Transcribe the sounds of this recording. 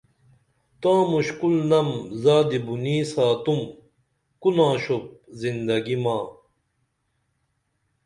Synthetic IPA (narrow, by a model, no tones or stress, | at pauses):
t̪ãːmuɕkulnɐmzaːd̪ibuniːsaːt̪um | kunãːɕop̚zind̪ɐɡimaː